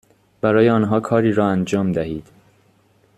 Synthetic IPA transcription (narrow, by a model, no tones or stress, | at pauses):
b̥æɾɒːjeɒːnɦɒːkʰɒːɾiːɾɒːænd͡ʒɒːmd̪æhiːd̪̥